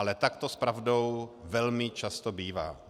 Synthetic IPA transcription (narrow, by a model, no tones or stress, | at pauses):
alɛt̪akt̪ospɾavdo̞wvɛlmɪt͡ʃast̪obiːva̰ː